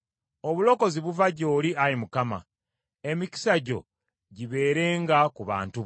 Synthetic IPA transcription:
o̞βulo̞ko̞ziβuvaɟo̞ːliaɾimukama̰ | e̞mici̥saɟo̞̰ | ɟiβe̞ːɾe̞ːŋɡakuβa̰ːntu

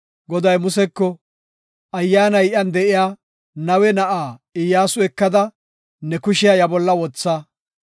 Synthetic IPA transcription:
ɡɔd̪ɐjmʊsɛkːɔ | ʔɐjːaːnɐjʔɐnd̪ɛʔɪjaː | nɐwɛnɐʔaːɪjaːsʊɛkːɐd̪ɐ | nɛkʊʃɪjɐjɐbɔlːɐwɔt͡sːɐ

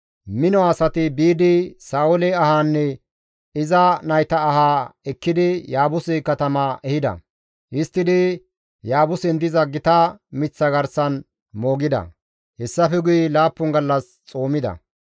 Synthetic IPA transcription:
mɪnɔasɐt̪ɪbiːd̪ɪsaːʊlɛɐhaːnːɛ | ɪzɐnɐjt̪ɐːhaːɛkːɪd̪ɪjaːbʊsɪkɐt̪ɐmɐʔɛhɪd̪ɐ̰ | ʔɪst̪ːɪd̪ɪ | jaːbʊsɛnd̪ɪzɐɡɪt̪ɐmɪt͡sːɐɡɐɾsɐn | moːɡɪd̪ɐ̰ | hɛsːɐfɛɡʊjɛlaːpːʊŋɡɐlːɐs | t͡sʼo̞ːmɪd̪ɐ̰

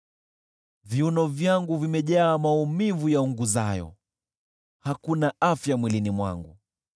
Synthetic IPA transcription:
viunɔvjaŋɡuvimɛʄaːmaumivujauŋɡuzajɔ̰ | hakunaafjamwilinimwa̰ŋɡu

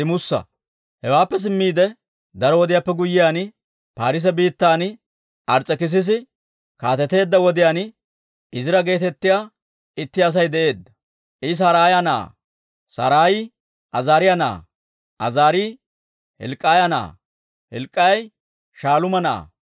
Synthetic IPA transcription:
ɪmʊsːɐ̰ | hɛwaːpːɛs̬ɪmːiːd̪ɛ | d̪ɐɾɔwɔd̪ɪjapːɛɡʊjːɪjaːn | paːɾɪs̬ɛbiːt̪ːaːn | ʔɐɾt͡sʼːɛkɪs̬ɪs̬ɪ | kaːt̪ɛt̪e̞ːd̪ːɐwɔd̪ɪjaːn | ɪzɪɾɐɡe̞ːt̪ɛt̪ːɪjaː | ɪt̪ːɪɐs̬ɐjd̪ɛʔe̞ːd̪ːɐ̥ | ʔɪs̬aːɾaːjana̰ː | sɐ̰ːɾaːjɪ | ʔɐzaːɾɪjana̰ː | ʔɐzaːɾi | hɛ̰lkʼːaːjɐna̰ː | hɛ̰lkʼːɐjj | ʃaːlʊmɐna̰ː

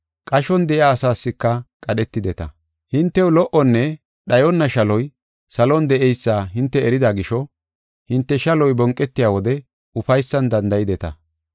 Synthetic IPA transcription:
kʼɐʃɔnd̪ɛʔɪaːsaːsːɪkːɐkʼɐɗɛt̪ːɪd̪ɛt̪ɐ̰ | hɪnt̪ːɛwlɔʔɔnːɛ | ɗɐjɔnːɐʃɐlɔj | sɐlɔnd̪ɛʔɛjsːaːɦɪnt̪ːɛɛɾɪd̪aɡɪʃɔ | hɪnt̪ːɛʃɐlɔjbɔŋkʼːɛt̪ːɪjaːwɔd̪ɛ | ʊfɐjsːɐnd̪ɐnd̪ɐjɪd̪ɛt̪ɐ̰

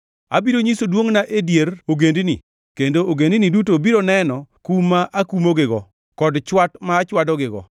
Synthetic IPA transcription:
a̰biɾoɲisodwoŋnaʔedjeɾoɡendinḭ | kendooɡendinidutobiɾonɛnɔkumaʔakumoɡɪɡɔ | kɔdt͡ʃwatmaːt͡ʃwadɔɡɪɡɔ̰

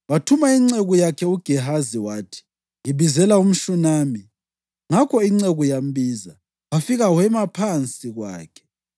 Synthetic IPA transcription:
watʰumaiŋ͡ǀeɣujakʰɛuɡ̥ʱɛɦaziwaːtʰi̥ | ŋiβizɛlaum̩ʃunaːmi | ŋakʰɔiŋ͡ǀeɣujambiːza | wafiɣawɛmapʰant͡sʼiɣwa̰ːkʰɛ̥

